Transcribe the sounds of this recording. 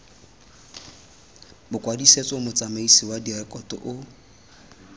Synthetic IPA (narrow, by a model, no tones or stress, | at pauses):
bʊkʼwadiset͡sʼɔmʊt͡sʼameisiwadirɛkʼɔtʼɔ̰ʔʊ